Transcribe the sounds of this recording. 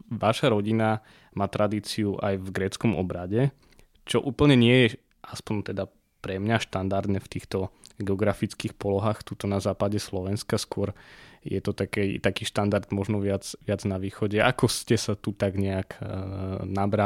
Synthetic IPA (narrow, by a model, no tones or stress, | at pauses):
ʋaʃaɾɔɟina | maːt̪ɾʔad̪iːt͡siuʔa̰jvɡɾɛt͡skɔmɔ̰bɾaɟɛ | t͡ʃɔʔuːpl̩ɲɛɲɪɛjɛ | ʔaspɔɲt̪ɛd̪a | pɾɛmɲaʃt̪and̪aɾd̪nɛft̪iːxt̪ɔɡɛɔɡɾafit͡skiːxpɔlɔɦaːxt̪ut̪ɔnazaːpaɟɛslɔʋɛnskaskʊɔɾjɛ̰t̪ɔt̪akɛt̪akiːʃt̪and̪aɾd̪mɔʒnɔʋɪad͡zʋɪad͡znaʋiːxɔɟɛʔa̰kɔscɛsat̪ut̪aɡɲɛak | nabɾa